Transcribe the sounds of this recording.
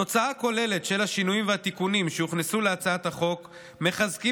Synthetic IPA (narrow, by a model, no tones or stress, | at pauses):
o̞t͡saako̞le̞le̞tʃe̞laʃinujimveat̪ikunimʃeuχnesuleat͡saat̪haχo̞k | me̞χazki